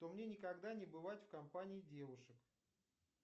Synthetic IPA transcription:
t̪omnʲe̞nʲɪkɐɡd̪anʲɪbɨvatʲfkɐmpanʲɪːdʲe̞vʊʂɨk

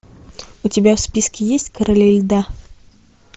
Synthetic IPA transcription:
ʊtʲɪbʲafspʲiskʲɪjesʲtʲkəɾəlʲɪlʲd̪a

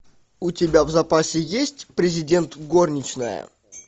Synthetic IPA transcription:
ʊtʲɪbʲavzɐpasʲɪjesʲtʲpɾʲɪzʲɪdʲe̞nt̪ɡo̞rnʲɪt͡ɕnəjə̰

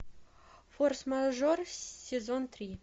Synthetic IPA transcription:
forsmaʐorsʲezont̪rʲi

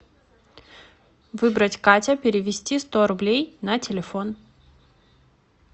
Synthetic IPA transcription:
vɨbɾətʲkatʲəpʲɪɾʲɪvʲɪsʲtʲist̪oɾʊblʲejnɐtʲɪlʲɪfo̞n

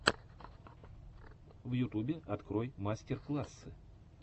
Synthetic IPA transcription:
vjʊt̪ubʲɪʔɐt̪kɾojmasʲtʲɛrklˠasːɨ

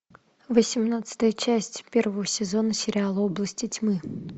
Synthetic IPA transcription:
vəsʲɪmnat̪sɨ̥t̪əjət͡ɕæsʲtʲpʲe̞rvəvəsʲɪzo̞nəsʲɪɾʲɪalˠəoblˠəsʲtʲɪtʲmɨ

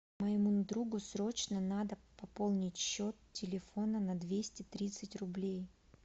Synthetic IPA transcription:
məjɪmund̪ɾuɡʊsɾo̞t͡ɕnənad̪əpɐpo̞lˠnʲɪtʲɕːo̞t̪tːʲɪlʲɪfo̞nənɐd̪vʲesʲtʲɪt̪ɾʲit̪sɨtʲrʊblʲej

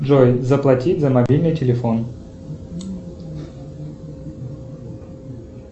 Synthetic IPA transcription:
ʐojzəplˠɐtʲitʲzɐmɐbʲilʲnɨjtʲɪlʲɪfon

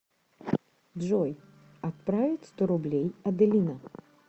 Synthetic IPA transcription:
ʐɔj | at̪̚pɾavʲɪt͡sʲst̪ɔɾʊblʲejɐd̪ɪlʲinɐ

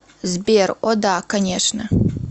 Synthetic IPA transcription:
zberʔod̪akɐnʲeʂnɐ

